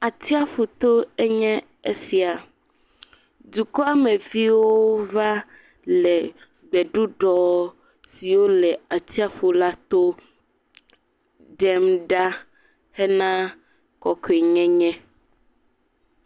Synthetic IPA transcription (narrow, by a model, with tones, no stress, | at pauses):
a˨t̪i˦a˦ɸu˨t̪o˦ɛ˦ɲɛ̃˦ | e˦si˨a˨ | du˨kɔ˦a˦mẽ˨vi˦wo˦va˦ | lɛ˨ | ɡ͡bɛ˨ɖu˦ɖɔ˦ | si˨wo˦lɛ˨a˨t̪i˦a˦ɸu˨la˦t̪o˦ | ɖɛ˦mɖa˦ | hɛ˦nã˦ | kɔ˨kɔ˨e˨ɲɛ̃˦ɲɛ̃˦